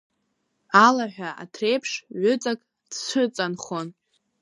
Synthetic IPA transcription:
alaħʷᶣaʔa̰tʰrejpʰʂʕʏt͡sʼakʼ | dsʷʰɨt͡sʼanχon

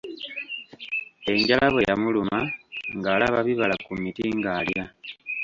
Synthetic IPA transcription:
e̞ɲɟalʔaβwe̞jamulumaŋɡaːlaβaβiβalakumitiŋɡaːlja

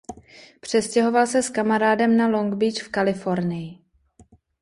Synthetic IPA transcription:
pr̝̥ɛscɛɦo̞valsɛskamaɾaːdɛmnalo̞ŋɡbit͡ʃfkalɪfo̞ɾnɪjɪ

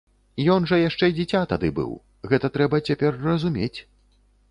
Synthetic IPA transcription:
ijɔnʐɐjaʂt͡ʂɛid͡zʲɛt͡sʲat̪ad̪ɨbɨ̰w | ɣɛt̪ɐt̪ɾɛbɐt͡sʲapʲɛrːɐzumʲet͡sʲ

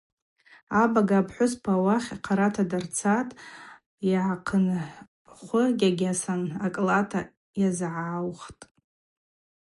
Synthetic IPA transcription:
abaɡaːpʰħʷʊspʰawaχʲaqʰaɾatʰadart͡sʰatʼ | jaʕaqʰən | χʷʊɡʲaɡʲasanakʼlatʰa | jazʕawχtʼ

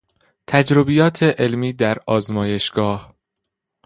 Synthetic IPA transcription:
t̪ʰæd͡ʒɾobijɒːt̪ʰe̞ʔelmiːd̪æɾɒːzmɒːje̞ʃɡ̥ɒːh

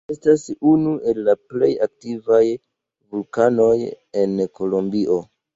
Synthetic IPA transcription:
e̞stasunuʔe̞lːaple̞jak̚tivaj | vulkano̞j | e̞nko̞lo̞mbiʔo̞

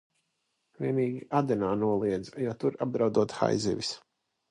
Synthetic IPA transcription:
vʲiɛniːɡʲiʔad̪ɛnaːnuɔlˠiɛd̪zjɔt̪uɾab̚d̪ɾawd̪uɔt̪xa̰jzḭvis

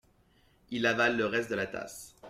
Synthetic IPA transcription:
ilavalːəʁɛst̪̚d̪əlat̪ʰa̰s

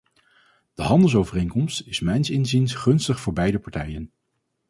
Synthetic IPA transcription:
d̥əɦɑndəlˠsowvərejŋkɔmstɪsmɛjnsɪnzinsχɵnstəχfʊːɹbɛjdəpɑɹtɛjən

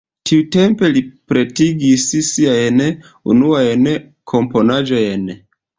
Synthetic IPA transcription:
tʰiute̞mpe̞lipɾe̞tiɡissiajn | ṵnuajn | kʰo̞mpo̞nad͡ʒo̞jn

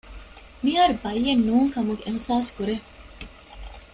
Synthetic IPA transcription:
miɦaːɾubɐjːenːuːŋkɐmuɡeʔehsaːskuɾe

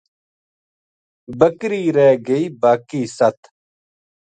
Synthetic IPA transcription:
bəkɾiːɾeːɡəiːbaːkiːsɐt̪ʰ

